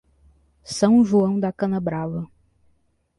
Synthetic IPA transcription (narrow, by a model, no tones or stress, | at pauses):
sɐ̃w̃ʒuɐ̃w̃d̪ɐkɐ̃nɐbɾavɐ